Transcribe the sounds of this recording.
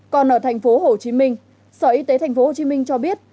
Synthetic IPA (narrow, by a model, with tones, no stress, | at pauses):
kɔ˨˩nʔəː˧˩t̪ʰa˨˩jŋ̟fo˨˦ɦo˨˩t͡ɕi˨˦mï˧ŋ̟ | səː˧˩ʔi˨˧˦t̪e˨˦t̪a˨˩jŋ̟fo˨˦ho˨˩t͡ɕi˨˦mï˧ŋ̟t͡ɕɔ˧ɓi˦˥ət̚